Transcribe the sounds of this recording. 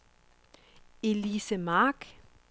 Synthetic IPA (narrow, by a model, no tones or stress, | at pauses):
e̝lisəmɑːɡ̥